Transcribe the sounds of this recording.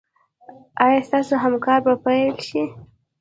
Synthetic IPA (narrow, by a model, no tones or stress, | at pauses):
ɑjɑst̪ɑsoɦamkɑɾbapajlʃi